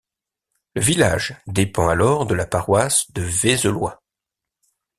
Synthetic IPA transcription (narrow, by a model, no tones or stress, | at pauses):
ləvila̰ʒd̪epɑ̃alɔʁd̪əlapaʁwasd̪əvezəlwa̰